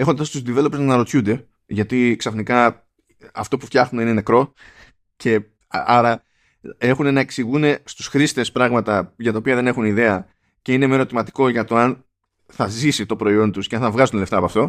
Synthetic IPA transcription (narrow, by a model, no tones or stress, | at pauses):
e̞xond̪ɐst̪uzd̪ive̞lopeznɐɾo̞t̪çund̪e̞ | ʝɐt̪iksɐfnikɐ | ɐft̪o̞pufçɐxnuneine̞ne̞kɾo̞ | cʰe̞ | ɐɾɐ | e̞xune̞nɐe̞ksiɣune̞st̪usxɾist̪e̞spɾɐɣmɐt̪ɐʝɐt̪ɐopiɐðe̞ne̞xuniðe̞ɐ | ce̞inemeɾo̞t̪imɐt̪i̥ko̞ʝɐt̪o̞ɐn | θɐzisit̪o̞pɾo̞io̞nt̪usceɐnθɐvɣɐzunele̞ft̪ɐːpɐft̪o̞